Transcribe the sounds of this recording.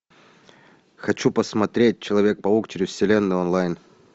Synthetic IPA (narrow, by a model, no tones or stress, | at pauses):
xɐt͡ɕupəsmɐt̪ɾʲet̚ʲt͡ɕɪlˠɐvʲe̞k̚pɐukt͡ɕɪɾʲʊfʲsʲɪlʲenːɨjonlˠajn